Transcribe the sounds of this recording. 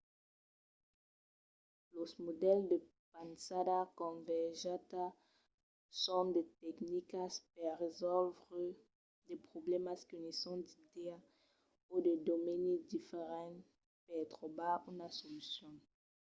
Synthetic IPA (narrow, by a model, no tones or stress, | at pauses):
losmod̪ɛld̪e | pansadakɔ̃vɛʒat̪a | sɔ̃d̪etɛknikaspɛʁezɔlvʁə | d̪epχoblɛmaskənesɔ̃d̪i̥t̪ɛ | od̪ed̪omɛnid̪ifeʁɑ̃ | pɛt̪ʁobaunasolysjɔ̃